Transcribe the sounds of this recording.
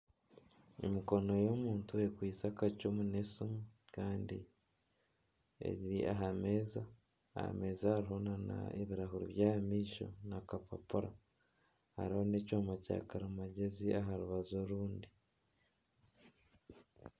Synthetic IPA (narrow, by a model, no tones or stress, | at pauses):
ḛmiko̞no̞jomuːntuekwiːsakacumunesumukaːndḭ | ḛɟiɾiʔa̰ɦame̞ːza̰ː | ha̰me̞ːzahaɾiɦonana̰ḛβiɾaɦuɾiβjaːmiːʃo̞̰nakapapuɾa | ha̰ɾiho̞necoːmaca̰ːkaɾamaɟe̞ziʔaɦaɾuβazoɾuːndi